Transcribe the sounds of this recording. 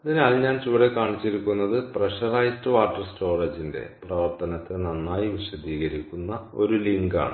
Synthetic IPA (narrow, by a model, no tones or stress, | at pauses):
ɐðinaːlɲaːnt͡ɕuʋɐɽekaːɳit͡ɕːiɾikʲːunːɐðɨprɐʂɐrɐjstɨʋaːrʈːɐrsto̞ːrɐd͡ʑinde̞̰prɐʋɐrt̪ɐnɐt̪ːenɐnːaːjiʋiɕɐd̪iːɣɐɾikʲːunːɐo̞ɾuliŋɡa̰ːɳɨ